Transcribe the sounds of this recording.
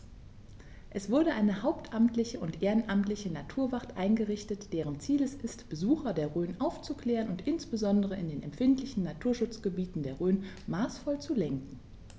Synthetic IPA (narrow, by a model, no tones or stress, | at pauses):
ʔɛsv̥ʊɐɾəʔaɪnəhaʊptʔamtlɪçəʊntʔeːʁənʔamtlɪçənatʰuːɐvaʁtʔaɪnɡəʁɪçtətd̥eːʁ̞ənt͡siːlɛsɪstb̥əzuːxɐdeːɐʁøːnʔaʊft͡sukl̥ɛːʁənʊntʔɪnsb̥əzɔndəʁ̞əɪndeːnɛ̰mfɪntlɪçn̩ːatʰuːɐʃʊt͡sɡ̥əbiːtn̩deːɐʁøːn | maːsfɔlt͡sulɛŋkŋ̩